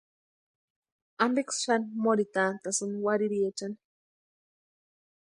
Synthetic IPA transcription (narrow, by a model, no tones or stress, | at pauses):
ambiksʃanmoɾit̪ant̪asɨnwaɾiɾiet͡ʃan